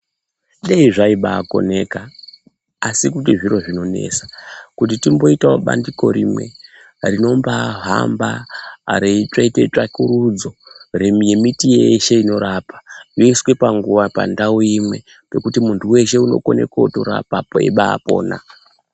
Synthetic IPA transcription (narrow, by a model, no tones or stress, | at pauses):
ɗeiʐaiɓaːko̞̰ne̞kaː | sikutiʐiɾo̞ʐino̞ne̞̰sḁkut̬itimbo̞itaoɓa̰ndiko̞̰ɾimwe̞ | rino̞mbaɦa̰mbaːɾeit͡ʂaitet͡ʂakuɾud͡zo̞remje̞mitijeeʃeino̞ɾapḁjoiswe̞paŋɡuʋapa̰ndauimwe̞ | pe̞kutimuntʰuwe̞ʃe̞uno̞̰ko̞ne̞̰kautoɾa̰papoḛɓa̰ːpo̞̰ːna̰